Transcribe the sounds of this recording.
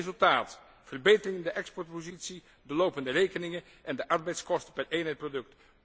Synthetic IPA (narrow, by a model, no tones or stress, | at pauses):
zɵlˠtaːt | fərbejtərɪŋɪndəʔɛkspɔɹt̚pozitsi | dəlowpəndərejkənɪŋə | ʔɛndəʔɑɹbɛjtskɔstə̥pɛrejnɦɛjt̚prodɵk̚t